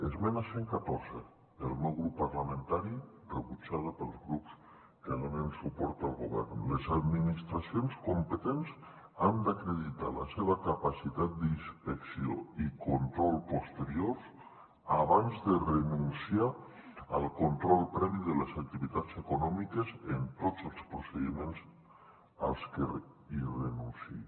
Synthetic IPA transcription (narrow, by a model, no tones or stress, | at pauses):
ezmɛnaseŋkat̪orzə̰ | əlˠmɛwɣɾupːaɾlamə̃nt̪aɾi | rəβut͡ʃað̞əpəlˠzɣɾups | kaləmensupɔɾt̪alˠɣuβɛ̰rnlezad̪minist̪ɾasionskompət̪enz | and̪akɾeðit̪a̰la̰seβəkapasit̪at̪̚d̪inspeksio̰ikont̪ɾɔlˠpost̪eɾioɾs | aβanzðerenunsiaəlˠkont̪ɾɔlˠpɾɛβiðəlezak̚t̪iβit̪at͡sekunɔmikezent̪otzəlˠspɾoseðimẽnz | a̰lˠske | irenunsi